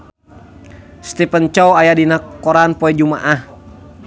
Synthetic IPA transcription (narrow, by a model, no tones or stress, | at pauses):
st̪ɛpənt͡ʃɔwajadinakɔɾanpɔɛd͡ʒuma̰ʔah